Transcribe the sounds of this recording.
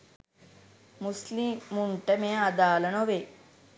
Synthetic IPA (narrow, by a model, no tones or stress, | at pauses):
muslimːuɳʈɐmeːad̪aːlɐnoʋe